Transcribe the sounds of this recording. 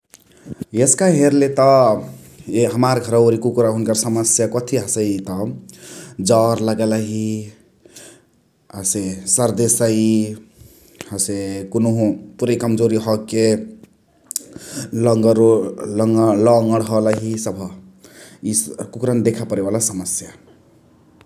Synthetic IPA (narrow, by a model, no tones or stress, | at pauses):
eskaɦeɾlet̪ʌ | ɦəmaɾɡʱʌɾaɾikukɾaɦunkaɾsəməsjakɔt̪ʰiɦəseit̪ʌ | d͡ʒɔɾləɡelaɦi | asesəɾd̪esai | hasekunoɦũpuɾeikʌmd͡ʒoɾiɦʌkːe | lɡɾlŋlɔŋɡəɽɦɔlaɦisʌbʱ | ikukɾand̪ekʰapəɾebalasəməsja